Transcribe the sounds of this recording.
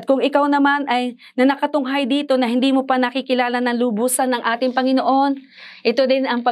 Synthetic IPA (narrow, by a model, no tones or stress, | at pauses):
t̪̚kʊŋɪkawnɐmanɐj | nɐnɐkɐt̪ʊŋɦajd̪iːt̪o̞nɐɦɪnd̪iːmopɐnɐkikɪlaːlɐnɐŋlʊbuːsɐnːɐŋʔaːt̪ɪŋpɐŋɪno̞ʔo̞n | ʔɪt̪o̞d̪ɪnɐŋpɐ